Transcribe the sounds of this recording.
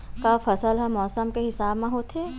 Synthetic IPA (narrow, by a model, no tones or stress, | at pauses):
kafɐsəlɦɐmːɔːsəmkeɦɪsaːbmẽɦoːt̪ʰeː